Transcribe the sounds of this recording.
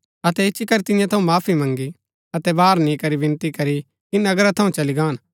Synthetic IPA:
ɐt̪ɛɪʃʰikɐɾit̪ɪ̃jãt̪ʰɐũmaːpʰimɐ̃ŋɡi | ɐt̪ɛbaːɾnĩkɐɾibɪ̃nt̪ikɐɾi | kinɐɡɾat̪ʰɐũt͡ʃɐliɡaːn

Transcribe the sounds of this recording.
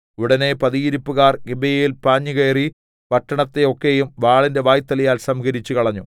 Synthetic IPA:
uɽɐne̞pɐðijiɾupːuɣaːrɡibejɐjilpaːɲːikejri | pɐʈːɐɳɐt̪ːe̞o̞kːejumʋaːɭinde̞ʋaːjt̪ːɐlɐjaːlsɐmɡɐɾit͡ɕːukɐɭɐɲːu

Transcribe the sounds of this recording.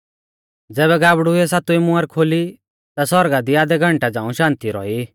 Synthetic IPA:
d͡zɛːβɛɡaːbɽuɛsat̪uimʊ̃aɾkʰoːli | t̪asɔɾɡad̪iaːd̪ɛɡʱɐ̃ɳʈad͡zãːũʃãːnt̪iɾɔ̰i

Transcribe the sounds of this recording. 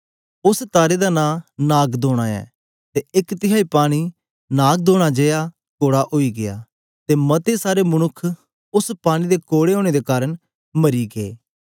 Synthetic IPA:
ʊst̪aːɾed̪anãːnaːɡd̪oːɽ̃aːɛ̰ː | t̪eɪkt̪ɪɦaːipaːɽ̃i | naːɡ̚d̪oːɽ̃ad͡ʒeja | koːɽaʔoːiɡɪja̰ː | t̪emɐt̪esaːɾemʊñʊkʰ | ʊspaːɽ̃ĩd̪ekoːɽeõːɽ̃ed̪ekaːɾəɳ | məɾiɡeː

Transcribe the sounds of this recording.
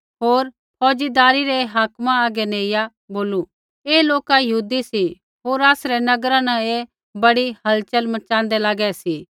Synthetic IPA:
ɦoːɾ | pʰɔːd͡ʒid̪aːɾiɾɛɦaːkmãaːɡɛneːɪja | boːlu | eːloːkajɐɦuːd̪isi | ɦoːɾaːsɾɛnɐɡɾãnɛ̃e | bɐɽiɦɐlt͡ʃəlmɐt͡ʃãːnd̪ɛlaːɡɛsi

